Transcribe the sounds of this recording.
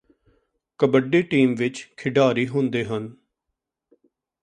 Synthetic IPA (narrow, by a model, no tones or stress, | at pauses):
kəbəɖeːʈiːmʋɪt͡ʃkʰɪɖaːɾiːɦʊ̃nd̪eːɦən